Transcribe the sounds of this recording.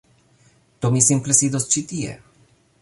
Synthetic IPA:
t̪omisimplɛsid̪ɔst͡ʃit̪iɛ̰

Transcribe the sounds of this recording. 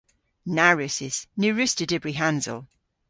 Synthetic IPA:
naɹɪsɪz̥nʉːɹɪstədɪbɹiɦãnzə̰lˠ

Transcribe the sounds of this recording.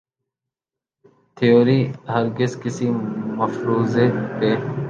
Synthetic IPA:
t̪ʰijoːɾiːɦəɾɡɪzkɪsiməfɾuːzepeː

